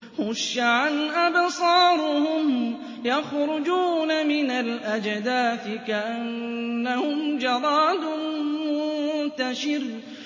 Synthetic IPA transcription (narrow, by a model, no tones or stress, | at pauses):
hʊʃːaʕanʔabsˤɑːɾˤʊhʊm | jɑxɾʊd͡ʒuːnamɪnalʔad͡ʒd̪aːfɪkaʔanːahʊmd͡ʒɑɾˤɑːd̪ʊmʊnt̪aʃɪɾ